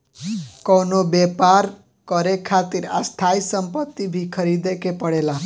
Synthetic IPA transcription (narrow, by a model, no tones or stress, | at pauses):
kʌwnobepaɾ | kʌɾekʰat̪iɾa̰st̪ʰajsʌmpʌt̪ːibʱikʰʌɾid̪ekepʌɽela